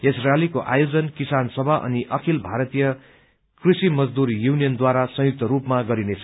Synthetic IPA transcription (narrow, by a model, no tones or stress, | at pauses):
isralikoʔa̰jod͡zʌnkisansʌbʱaʔʌ̰niʔʌkʰilbʱaɾʌt̪ijʌ | krisimʌd͡zd̪uɾjunijʌnd̪waɾasʌ̃juk̚t̪ʌɾupmaɡʌɾinet͡sʰʌ